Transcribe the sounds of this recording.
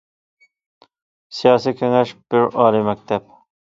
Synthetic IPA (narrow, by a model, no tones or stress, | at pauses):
sijɑːsiːkʲʰeŋɛʃb̥ɪɾɑːlimæk̚t̪ʰæb̚